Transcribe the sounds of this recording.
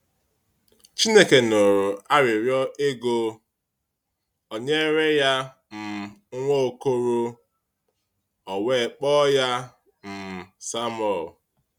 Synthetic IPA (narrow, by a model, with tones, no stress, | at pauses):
t͡ʃi˦ne˦ke˨no˨ɾʊ˨a˦ɾɪ˨ɾjɔ˦ʔe˦ɡo˦ | o˨ɲe˦ɾe˦ja˦ | m̩˨˦ŋʷo˦o˨ko˦ɾo˦ | ɔ˨we˦˨k͡pɔ˦ja˦ | m̩˨sa˦m˦ɔ˨l